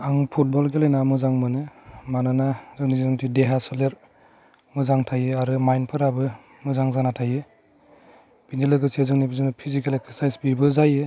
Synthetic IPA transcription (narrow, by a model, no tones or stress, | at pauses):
aŋpʰut̚bɔlɡelejnamɯzaŋmɯnɯmananazɯŋnizizɯŋtʰideɦasɯleɾ | mɯzaŋtʰajɯaɾɯmajnpʰɯɾabɯ | mɯzaŋzanatʰajɯ | b̥inilɯɡɯsezɯŋnibizɯnɯpʰizikelekssajsbibɯzajɯ